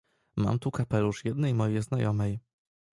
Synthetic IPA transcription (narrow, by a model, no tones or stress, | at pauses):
ma̰mt̪ukapɛluʂjɛd̪nɛjmɔjɛznajɔmɛj